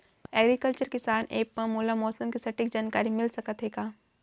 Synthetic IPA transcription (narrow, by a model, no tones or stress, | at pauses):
ɛːɡɾikəlt͡ʃəɾkɪsaːnʔḛːk̚pɐmoːlamɔːsəmkisɐʈɪkd͡ʒaːnkaːɾimɪlsɐkət̪ɦeːɡaː